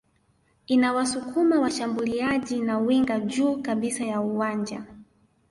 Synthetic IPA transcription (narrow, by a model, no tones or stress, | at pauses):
inawasukʰumawaʃambuliaʄinawiŋɡad͡ʒuːkaɓisajauwand͡ʒa